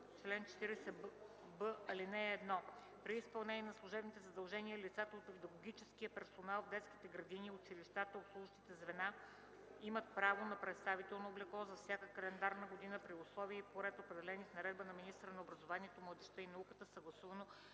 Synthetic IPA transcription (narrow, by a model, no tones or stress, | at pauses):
t͡ʃlɛnt͡ʃɛ̥t̪iɾɛsɛ | bəɐlinɛːd̪nɔ | pɾiːspɐlˠnɛniɛnɐslˠʊʒɛbnit̪ɛzɐd̪ɐlˠʒɛniəlit̪sat̪əot̪pid̪ɐɡoɡ̟ʲit͡ʃɛskiəpɛɾsonalˠvd̪ɛt̪ski̥t̪ɛɡɾɐd̪iniʊt͡ʃiliʃt̪at̪əoslˠuʒʃt̪it̪ɛzvɛna | imət̪̚pɾavonɐpɾɛt̪st̪avit̪ɛlˠnoːblɛklˠɔzɐfsʲjakəkɐlɛnd̪aɾnəɡod̪inəpɾiʊslˠɔviəipoɾɛt̪opɾɛd̪ɛlɛnifnɐɾɛd̪bənɐminist̪ɾənɐobɾɐzovaniɛt̪omlˠəd̪ɛʃt̪əinɐukət̪əsəɡlˠɐsuvəno